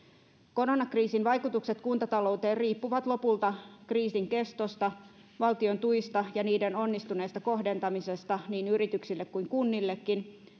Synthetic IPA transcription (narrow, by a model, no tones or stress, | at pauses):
ko̞ronɑkriːsinʋɑjkut̪ukse̞t̪kunt̪ɑt̪ɑlo̞ut̪eːrriːpːuʋɑt̪lo̞pult̪ɑkriːsiŋke̞st̪o̞st̪ɑ | ʋɑlt̪io̞nt̪uist̪ɑjɑniːdeno̞nːist̪une̞ːst̪ɑko̞ɦde̞nt̪ɑmise̞st̪ɑniːnyɾit̪yksilːekkuiŋkunːilːe̞kːin